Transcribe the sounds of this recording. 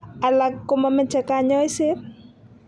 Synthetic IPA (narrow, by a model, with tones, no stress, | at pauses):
a˨la˨kːomamɛ˦t͡ʃɛ˨ka˦ɲɔ˦ɪ˦sɪ˦